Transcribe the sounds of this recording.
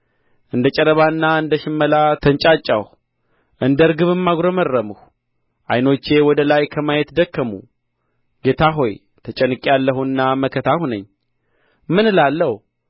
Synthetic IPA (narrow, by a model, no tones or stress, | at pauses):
ʔɨnd̪ət͡ʃʼəɾəβaɨnːaɨnd̪əʃɪmːəlat̪ʰənt͡ʃʼat͡ʃʼːa̰h | ʔɨnd̪əɨɾɡɨβɨmːaɡɾomərːəmɨhu | ʔa̰jno̞t͡ʃːe̞wɔd̪əlajkʰəmajɛt̪d̪əkːəmṵ | ɡe̞t̪ʰaɦo̞j | t̪ʰət͡ʃʼənɨkʼalːəhunːaməkʰət̪ʰahunəɲː | mɨnɨlalːəhu